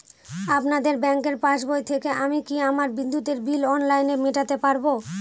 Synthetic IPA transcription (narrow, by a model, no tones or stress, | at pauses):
apnad̪eɾbɛŋkeɾpãt͡ɕbojt̪ʰekeʔamikiamaɾbid̪ːut̪eɾbilɔnlajnemeʈat̪epaɾbo